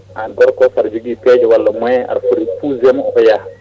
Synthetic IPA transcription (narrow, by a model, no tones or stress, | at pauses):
anɡɔɾkɔsaɾd͡ʒuɡipɛd͡ʒɔwalːomɔɛa̰ɾfuɾipuzemɔkɔja